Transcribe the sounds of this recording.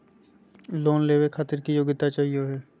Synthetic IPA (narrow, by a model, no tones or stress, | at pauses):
loːnleːʋekʰxʰaːt̪ɪɾkijoːɡɪt̪at͡ʃaːɦijoɦɛː